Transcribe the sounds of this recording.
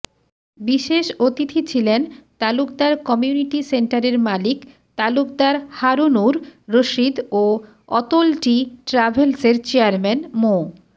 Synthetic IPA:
biʃeʃot̪it̪ʰit͡ɕʰilent̪alukd̪aɾkɔmijuniʈiseɳʈaɾeɾmalik | t̪aluk̚d̪aɾhaɾunuɾːoʃid̪o | ɔt̪olʈiʈɾabʱelseɾt͡ɕeaɾmɛnmo

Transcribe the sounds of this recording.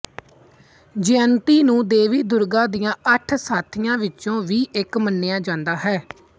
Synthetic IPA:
d͡ʒeːənt̪iːnũːd̪eːʋiːd̪ʊɾɡãːd̪ijãːʔəʈʰsaːt̪ʰɪjãːʋɪt͡ʃõːʋiːʔɪkmənːeːãːd͡ʒãːnd̪aːɦɛː

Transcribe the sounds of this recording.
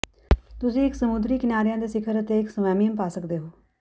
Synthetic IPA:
t̪ʊsĩːɪksəmʊd̪ɾiːkɪnaːɾɪjãːd̪eːsɪkʰəɾət̪eːɪksəmɛːmijəmpaːsəkd̪eːɦoː

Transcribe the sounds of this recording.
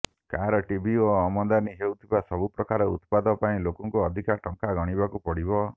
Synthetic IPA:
kaɾɔʈibʱioɔmɔnd̪aniɦewt̪ʰibasɔbupɾɔkaɾɔṵt̪pad̪ɔpaĩlokɔŋkuɔd̪ʱikaʈɔŋkaɡɔɽ̃ibakupɔɽibɔ

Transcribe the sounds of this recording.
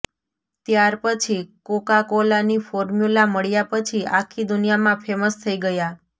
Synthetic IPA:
t̪jaɾpət͡ʃʰikokakolanifoɾmjulaməɭjapət͡ʃʰiʔakʰid̪unijamãpʰeməst̪ʰəiɡəja

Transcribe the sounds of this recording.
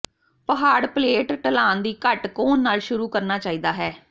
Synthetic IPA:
pəɦaːɽpleːʈʈəlaːnd̪iːkəʈkoːnːaːlʃʊɾuːkəɾnaːt͡ʃaːiːd̪aːɦɛː

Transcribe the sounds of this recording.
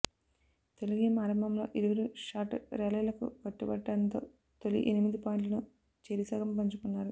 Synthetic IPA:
t̪e̞luɡeːmaːɾɐmbɐmlo̞̰ːʔiɾuʋɐɾuʂaːʈɾɛːlɐjlɐkṵkɐʈːubɐɖːɐnt̪o̞̰ː | t̪olḭʔenimid̪ipoːjiɳʈlɐnu | t͡ʃeːɾisɐːɡɐmpɐɲt͡ʃukunːaːɾu

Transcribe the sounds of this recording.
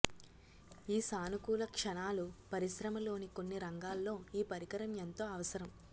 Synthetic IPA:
iːsaːnukuːlɐkʂɐnaːlupɐɾisɾɐmɐlo̞ːnikonːiɾɐŋɡaːlːo̞ːiːpɐɾikɐɾɐmjent̪oːɐʋɐsɐɾɐm

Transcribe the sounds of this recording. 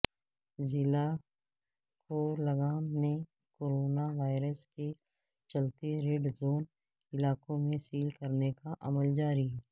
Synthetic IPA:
zɪla | kolɐɡaːnnẽ | koɾoːnaʋaːɪɾəske | t͡ʃɐlt̪eɾeːɖzoːn | ɪlaːkõmẽsiːlkɐɾnekaʔɐməld͡ʒaːɾiɦɛː

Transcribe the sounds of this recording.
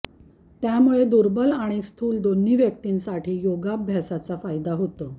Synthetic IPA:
t̪jamuɭed̪uɾbəlaɽ̃ist̪ʰuːld̪onːiʋjək̚t̪iːnsaʈʰiːjoɡabbʱjasat͡safajd̪aɦot̪ə

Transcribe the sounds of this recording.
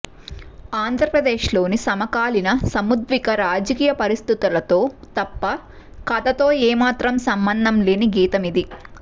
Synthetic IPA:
aːnd̪ʱɾɐpɾɐd̪eːʃlo̞ːnisɐmɐkaːlinɐsɐmud̪ʋikɐɾaːd͡ʒɐkiːjɐpɐɾist̪it̪ulɐt̪o̞ːt̪ɐpːɐ | kɐd̪ɐt̪o̞ːɛːmaːt̪ɾɐmsɐmbɐnd̪ʱɐmle̞ːniɡiːt̪ɐmid̪i

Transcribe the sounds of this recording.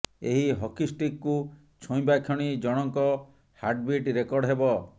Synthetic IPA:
eɦiɦɔkisʈikku | t͡ʃʰɔ̃j̃bakʰjɔɽ̃id͡ʒɔɽ̃ɔŋkɔ | haɾɖbiʈɾekɔɾɖɦebɔ

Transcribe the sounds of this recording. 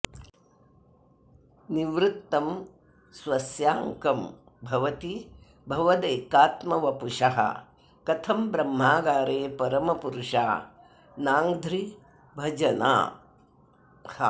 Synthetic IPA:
niʋɾɪt̪ːɐm | sʋɐsjaːŋkɐm | bʱɐʋɐt̪i | bʱɐʋɐd̪eːkaːt̪mɐʋɐpuʂɐɦɐ̰ | kɐt̪ʰɐmbɾɐmːaːɡaːɾeːpɐɾɐmɐpuɾuʂa̰ː | naːŋd̪ʱɾi | bʱɐd͡ʒɐna̰ː | hɐ̰

